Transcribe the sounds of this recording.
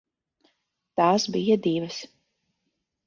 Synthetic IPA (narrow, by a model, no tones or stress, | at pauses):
t̪aːsbijad̪ivɐs